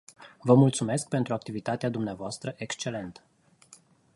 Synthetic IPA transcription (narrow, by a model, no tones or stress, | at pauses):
vəmult̪sume̞sk̚pe̞nt̪ɾuak̚t̪ivit̪at̪ead̪umneavoast̪ɾəʔe̞kst͡ʃe̞le̞nt̪ə̥